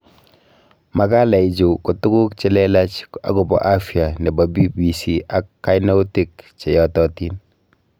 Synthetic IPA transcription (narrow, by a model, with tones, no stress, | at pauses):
ma˨ka˦la˨i˨d͡ʒu˨ko˨tu˦ku˦kt͡ʃe˦lɛla˦t͡ʃa̰˨kɔ˨bɔ̰˨ʔa˦fia˨nɛ˨ba˨bi˦bi˨siʔa˨kːa˦jnɔ˦wti˨kt͡ʃe˨jɔtɔ˦tin